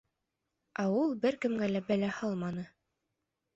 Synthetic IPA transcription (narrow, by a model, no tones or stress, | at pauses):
æulˠbɘɾkɘ̆mɡælæbælæhɑlˠmɑnɤ